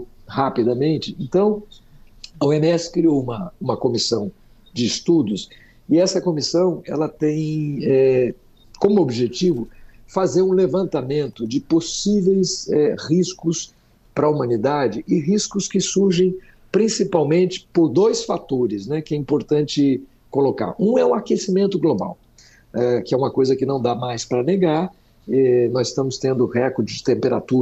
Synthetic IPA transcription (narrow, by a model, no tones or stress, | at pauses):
hapid̪ɐmẽnt͡ʃɪẽnt̪ɐ̃w̃ | ɐuemiɛsɪ̥kɾiowũmɐũmɐkomisɐ̃w̃ | d͡ʒɪːst̪ud̪ʊs | ɪɛsɐkomisɐ̃w̃ɛ̰lɐt̪ẽj̃ɛ | kõmʊobʒet͡ʃivʊfazeɾũlevɐ̃nt̪amẽnt̪ʊd͡ʒɪposivejsɛhiskʊs | pɾɐumɐ̃nid̪ad͡ʒɪʔɪɦiskʊskɪsuɾʒẽj̃ | pɾĩsipawmẽnt͡ʃɪ̥poɾd̪ojsfat̪oɾɪsnɛkɪɛĩmpoɾt̪ɐ̃nt͡ʃɪ | koloka̰ɾũɛũakesimẽnt̪ʊɡloba̰w | ɛkɪɛũmɐkojzɐkɪnɐ̃w̃d̪amajspɾɐneɡaɾ | ɛnɔzɪst̪ɐ̃mʊst̪ẽnd̪ʊhɛkoɾd͡ʒɪd͡ʒɪt̪ẽmpeɾa̰t̪uɾ